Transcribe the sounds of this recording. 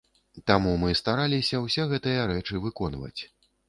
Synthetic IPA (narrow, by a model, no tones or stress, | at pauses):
t̪amumɨst̪aɾalʲisʲɐwsʲɛɣɛt̪ɨjɐɾɛt͡ʂɨvɨkɔnvɐ̰t͡sʲ